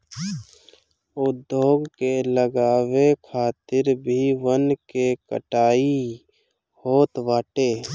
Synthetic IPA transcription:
ʊd̪ʱːjoːɡkeləɡaːwekʰaːt̪ɪɾbʱiʋənkekə̰ʈaːi | hoːt̪ʋaːʈeː

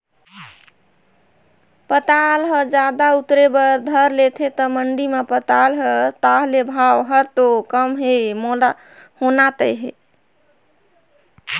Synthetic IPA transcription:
pət̪alɦəd͡ʒad̪aut̪ɾebəɾd̪ʱəɾlet̪ʰet̪əməɳɖimepət̪alɦət̪aɦlebʱawɦəɾt̪okəmɦemola | honat̪əjɦe

